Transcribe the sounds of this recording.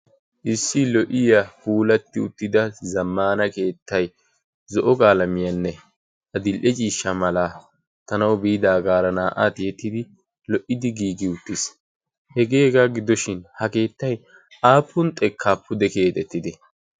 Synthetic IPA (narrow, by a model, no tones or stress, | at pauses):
ʔɪsːɪlɔʔɪjafuːlɐt̪ːɪʊt̪ːɪd̪ɐzɐmːaːnɐke̞ːt̪ʰːɐj | zɔʔɔkʼaːlɐmɪjɐnːɛ | ʔɐd̪ɪlʔɛt͡ʃʼiːʃːɐmɐlaː | t̪ɐnɐwbiːd̪aːɡaːɾɐnaːʔa̰t̪jɛt̪ːɪd̪ɪ | lɔʔːɪd̪ɪɡiːɡɪʊt̪ːɪs | hɛɡe̞ːɡaːɡɪd̪ɔʃɪnhɐke̞ːt̪ːɐj | ʔaːpːʊnt̪ʼɛkʰːaːpːʊd̪ɛke̞ːt̪ʼɛt̪ːɪd̪ɛ